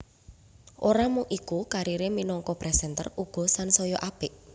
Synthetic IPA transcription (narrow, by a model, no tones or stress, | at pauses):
ʔoɾamuŋʔikukaɾiɾeminɔŋkɔpɾɛsɛnt̪ə̰ruɡ̥ɔ̤sansɔjɔʔab̥ɪʔ